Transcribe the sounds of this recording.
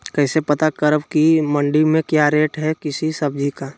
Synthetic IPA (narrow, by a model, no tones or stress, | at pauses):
kɛːsepɐt̪akəɾəbkimə̃ɳɖimẽkjaɾeːʈɦɛkɪsisɐb̚d͡ʒʱika